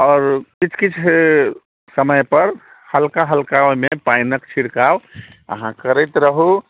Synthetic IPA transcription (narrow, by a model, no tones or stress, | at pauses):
ɔːɾkit͡ʃʰkit͡ʃʰ | səməjpəɾ | həlkaɦəlkamepajnəkt͡ʃʰiɽkaw | ə̰ɦãkəɾɛt̪ɾəɦu